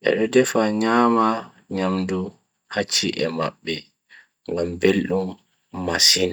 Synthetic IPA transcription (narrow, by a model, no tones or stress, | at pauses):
ʔɛ̰ɗɔdɛfaɲaːma | ɲamdu | hat͡ʃːḭʔɛma̰ɓːɛ | ŋɡambelɗumː | asina